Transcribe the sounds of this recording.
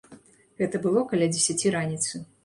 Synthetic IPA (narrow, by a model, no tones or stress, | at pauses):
ɣɛt̪ɐbɨlˠɔkɐlʲad͡zʲesʲat͡sʲiɾanʲit̪sɨ